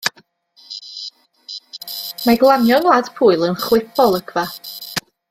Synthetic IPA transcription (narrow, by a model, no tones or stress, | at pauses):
maɡlˠanjɔnlˠaːd̥pʰuːɨlˠənχwɪfɔlˠəɡʰva